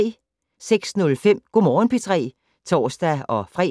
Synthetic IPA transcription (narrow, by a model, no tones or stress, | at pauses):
seɡ̥snɔlfem̰ɡ̥omɒːnpʰit͡sʰʁɛ̰ː | t͡sʰɒ̰ːsd̥æɒ̽fʁɛ̰